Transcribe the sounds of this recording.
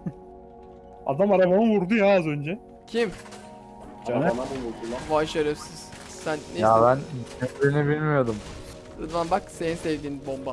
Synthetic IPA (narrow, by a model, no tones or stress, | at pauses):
a̰d̪amaɾabanɯvuɾd̪ujaːzø̞nd͡ʒɛ | cʰim | anabuud̪ulˠavaʃaɾɯpsiz̥ | sænːejabænønbiinɛbilʲmijo̞d̪um | ɯd̪vanbakse̞ninsɛvd̪iːnibomba